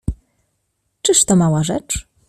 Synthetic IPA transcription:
t͡ʂɘʂt̪ɔmawaʐɛt͡ʂ

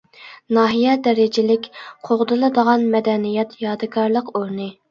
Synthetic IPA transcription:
nɑːɦijɛd̪ɛɾɪd͡ʒɪlɪkʲqʰoʁd̪ɨlˠɨd̪əʁɑnmɛd̪ɛnijɛt̪jɑːd̪ɨkʰɑɾlˠəqoɾnɨ

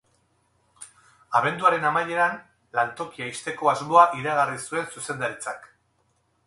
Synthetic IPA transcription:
aβ̞e̞nd̪uaɾe̞namaje̞ɾan | lant̪o̞kiajst̪e̞ko̞azmo̞aʔiɾaɣ̞arisue̞nsuse̞nd̪aɾit͡sak

